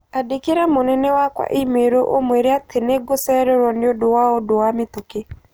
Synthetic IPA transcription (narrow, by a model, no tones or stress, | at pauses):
adekeɾamonɛnɛwakwa̰ʔimeɾoʔomweɾeatʰeneɡosɛɾɛɾwɔnɪodowaodowamɪt̪oke